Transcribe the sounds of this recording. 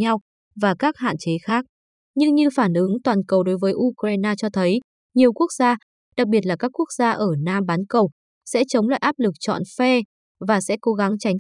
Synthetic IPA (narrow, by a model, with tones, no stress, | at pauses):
ɲa˧w | vaː˨˩kaː˦˥k̚ha̰ː˧˨nt͡ɕe˨˦xaː˦˥k̚ | ɲɨ˧ŋɲɨ˧faː˧˩nʔɨ˨˦ŋt̪waː˨˩nkə˨˩wɗo˨˦jvəː˨˦jʔu˧kɾaː˧jnaː˧t͡ɕɔ˧t̪ʰə˨˦j | ɲi˨˩əwku˦˥ək̚zaː˧ | ɗa˨˩k̚ɓi˨˩ət̚laː˨˩kaː˦˥kːu˦˥ək̚zaː˧ʔəː˧˩naː˧ɓaː˨˦nkə˨˩w | sɛ̰˧˥t͡ɕə˨˦wŋ͡mla̰ː˧˨jʔaː˦˥p̚lɨ˨˩k̚t͡ɕɔ̰˧˨nfɛ˧ | vaː˨˩sɛ̰˧˥ko˨˦ɣa˨˦ŋt͡ɕa˨˦jŋ̟